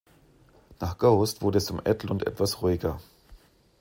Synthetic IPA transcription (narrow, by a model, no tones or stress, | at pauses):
naːχɡ̥aʊstv̥ʊɐdəɛst͡sʊmʔɛ̰tl̩ʊntʔɛ̰tv̥asʁuɪɡɐ